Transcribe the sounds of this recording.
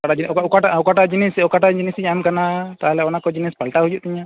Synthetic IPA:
kaad͡ʒikɔkaaɔkaʈad͡ʒinisɔkaʈad͡ʒinisɲamkanat̪aɦalɛɔnakɔd͡ʒinispalʈaɦujuʔt̪ɛɲa

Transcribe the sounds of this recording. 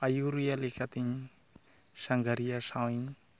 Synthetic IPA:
ajuɾujalekat̪iɲi | saŋɡaɾiasawiɲi

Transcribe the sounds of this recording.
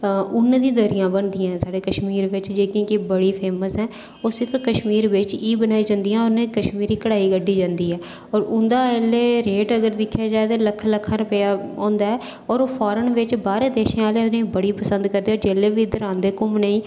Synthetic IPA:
ʊnːd̪ĩːd̪əɾɪjãːbənd̪ijãːsaːɽeːkəʃmiːɾʋɪt͡ʃd͡ʒeːkĩːkibəɽiːpʰeːməsɦɛ̃ː | oːsɪpʰɾkəʃmiːɾʋɪt͡ʃiːbənaːiːd͡ʒãnd̪ijãːʊɾnẽːkəʃmiːɾiːkəɽaːiːɡəɖːiːd͡ʒãːnd̪iːɦɛː | ɔːɾʊnd̪aːeleːɾeːʈəɡəɾd̪ɪkʰːjaːd͡ʒaːet̪eːləkʰːləkʰːaɾəpəjaːõːnd̪aːɛː | ɔːɾoːpʰɔːɾənʋɪt͡ʃbaːɾeːd̪eːʃẽːaːlenẽbəɽiːpəsənd̪kəɾd̪iːɔːd͡ʒeːleːʋiːd̪əɾãːnd̪eːkʊmneːiː

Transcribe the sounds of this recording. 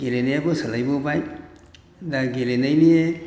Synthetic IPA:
ɡelenajabɔsəlajbɔbaj | daɡelenajnie

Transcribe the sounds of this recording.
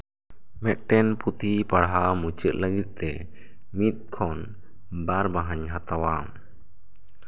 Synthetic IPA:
mɛt̪̚ʈɛnput̪ʰipaɽɦamut͡ʃəʔ̪̚ləɡit̪̚ˀt̪ɛ | mit̪̚kʰɔn | baɾbaɦaɲɦat̪awam

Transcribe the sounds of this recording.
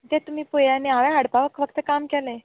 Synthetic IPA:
t̪ɛ̃t̪um̤iːpojaneaʋɛaɽpaʋəkʋəkt̪əkamkɛlẽ

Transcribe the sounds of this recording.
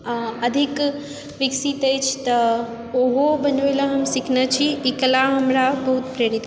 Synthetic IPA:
ɐd̪ʱik | ʋɪksit̪ejt͡ʃʰt̪ɐ | ʊɦobɐɲoelaɦɐmsɪkʰnət͡ʃʰiːklaɦɐmɾabɐɦut̪pɾeːɾit̪

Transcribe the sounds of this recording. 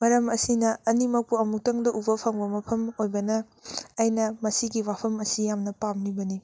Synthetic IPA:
mɐɾɐmɐsinɐɐnimɐk̚puɐmuk̚tɐŋdɐʔubɐpʰaŋbɐmɐpʰɐmojbɐnɐː | jnɐmɐsiɡiwapʰɐmɐsijamnɐpamnibɐni

